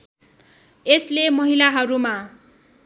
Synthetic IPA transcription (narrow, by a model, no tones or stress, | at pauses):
eslemʌɦilaɦʌɾuma